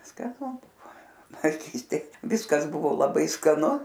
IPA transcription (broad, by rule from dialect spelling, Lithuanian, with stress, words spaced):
skɐˈnʊ ˈbʊʋoː ʋɐɪˈkʲiːsʲtʲeːj ˈʋʲiːskɐs ˈbʊʋoː lˠɐˈbɐɪ skɐˈnʊ